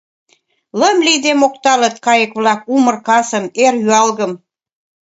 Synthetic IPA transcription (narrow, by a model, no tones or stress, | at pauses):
ləmlid̪emok̚t̪ɑlət̪̚kɑjəkβlɑk̚umərkɑsə̆merjyɑlɣəm